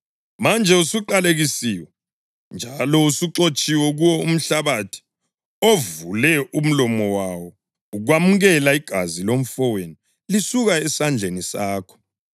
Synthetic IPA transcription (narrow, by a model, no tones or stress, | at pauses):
mand͡ʒʱɛusuǃaleɣisiːwɛ | nd͡ʒʱalɔusuǁot͡ʃʼiwɛɣuwɔum̩ɬaβatʰi̥ | ovulɛum̩lɔmɔwawɔ | uɣwamuɣɛlaiɡ̥ʱazilom̩fɔweni | lisuɣaɛsand͡ɮʱenisaːkʰɔ̥